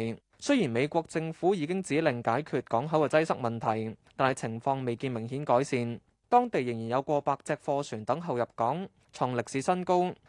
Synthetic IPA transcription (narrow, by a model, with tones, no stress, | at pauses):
sɵ˥jiː˨˩nme˨˧jkʷɔː˧k̚t͡sɪ˧ŋfuː˨˥jiː˨˧kɪ˥ŋt͡siː˨˥lɪ˨˩ŋkaː˨˥jkʰyː˨˧t̚kɔː˨˥ŋɦɐ˨˥wɛː˧t͡sɐ˥jsɐ˥k̚mɐ˨nt̪ʰɐ˨˩jt̪aː˨nhɐ˨jt͡sʰɪ˨˩ŋfɔː˧ŋme˨jkiː˧nmɪ˨˩ŋɦiː˨˥nkɔː˨˥jsiː˨n | t̪ɔː˥ŋt̪e˨jːɪ˨˩ŋjiː˨˩njɐ˨˧wkʷɔː˧paː˧k̚t͡sɛː˧k̚fɔː˧sʰyː˨˩nt̪ɐ˨˥ŋɦɐ˨wjɐ˨p̚kɔː˨˥ŋ | t͡sʰʊ˨˩ŋlɪ˨k̚siː˨˥sɐ˥nko˥w